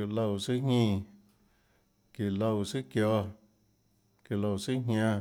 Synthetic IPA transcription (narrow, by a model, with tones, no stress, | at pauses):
u˨lo˧˨si˦ɲĩː˦˧ | ki˨lo˧˨si˦kjɔ˧ | ki˨lo˧˨si˦ɦʲã˧